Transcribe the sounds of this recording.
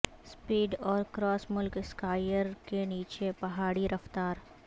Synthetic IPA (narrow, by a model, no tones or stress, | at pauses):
spiːɖɔːɾkɾɔːsmʊlkskaːɪjəɾkeniːt͡ʃepɐɦaːɽiɾɐft̪aːɾ